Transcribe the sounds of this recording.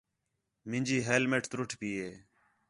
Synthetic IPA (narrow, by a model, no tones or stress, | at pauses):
mɪ̃nd͡ʒiːɦeːlmeːʈt̪ɾʊʈʰpiːeː